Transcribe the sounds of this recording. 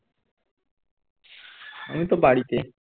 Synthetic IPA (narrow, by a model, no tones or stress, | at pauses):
a̰mit̪obaɽit̪e